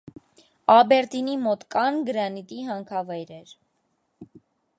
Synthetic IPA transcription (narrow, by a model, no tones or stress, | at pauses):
ɑbɛɾt̪inimɔt̪kɑnɡəɾɑnit̪iɦɑŋkʰɑvɑjɾɛɾ